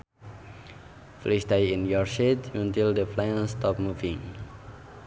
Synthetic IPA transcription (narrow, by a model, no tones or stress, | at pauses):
flisdajĩnjɔɹsitjũntildəplãnstɔpmuvĩŋ